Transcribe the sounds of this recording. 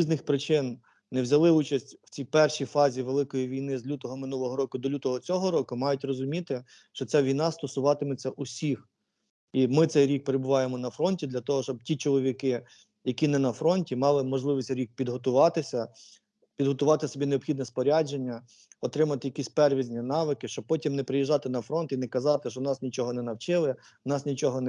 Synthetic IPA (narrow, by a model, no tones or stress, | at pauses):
iznɪxpɾɪt͡ʃɪn | nɛwzʲɐlˠɪut͡ʃɐsʲtʲw̥t͡sʲijpɛrʃijfɑzʲiʋelˠɪkɔjiʋʲijnɪzlʲut̪ɔɦɔmɪnulˠɔɦɔɾɔkʊd̪ɔlʲut̪ɔɦɔt͡sʲɔɦɔɾɔkʊmɑjʊtʲrɔzʊmʲit̪ɪ | ʃt͡ʃɔt͡sʲaʋʲijnɑst̪ɔsʊʋɑt̪ɪmɪt͡sʲːɐʔʊsʲix | imɪt̪sɛjɾʲik̚peɾebʊʋɑjemɔnɐfɾɔnʲtʲid̪lʲɐt̪ɔɦɔʃt͡ʃɔbtʲit͡ʃɔlˠɔʋʲikɪ | jɐkʲinɛnɐfɾɔnʲtʲimɑlˠɪmɔʒlˠɪʋʲisʲtʲɾʲik̚pʲid̪ɦɔt̪ʊʋɑt̪ɪsʲɐ | pʲid̪ɦɔt̪ʊʋɑt̪ɪsɔbʲineɔbxʲid̪nɛspɔɾʲad͡ʒenʲːɐ | ɔt̪ɾɪmɐt̪ɪjɐkʲisʲtʲpɛrʋʲizʲnʲɐnɑʋɪkɪʃt͡ʃɔb̚pɔtʲimnɛpɾɪjiʒːɑt̪ɪnɐfɾɔnt̪inɛkɐzɑt̪ɪʃt͡ʃɔnɑsnʲit͡ʃɔɦɔnɛnɐwt͡ʃɪlˠɪ | nɑsnʲit͡ʃɔɦɔn